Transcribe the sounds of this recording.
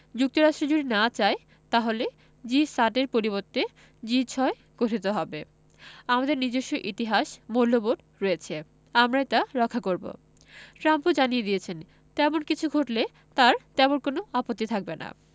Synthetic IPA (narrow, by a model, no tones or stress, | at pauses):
d͡ʑuk̚t̪oɾaʃʈɾed͡ʑoɖinat͡ɕae | t̪aɦole | d͡ʑisaʈeɾpoɾiβoɾt̪e | d͡ʑit͡ɕʰɔe | ɡ̥oʈʰit̪oɦɔbe | amad̪eɾnid͡ʑeʃːoʔit̪iɦaʃmolːoboɖ | ɾɔet͡ɕʰe | amɾajt̪aɾɔkʰːakoɾbo̰ | ʈɾampud͡ʑanied̪iet͡ɕʰen | t̪ɛmonkit͡ɕʰuɡʱoʈle | t̪aɾt̪ɛmonkonoapot̪ːit̪ʰak̚bena̰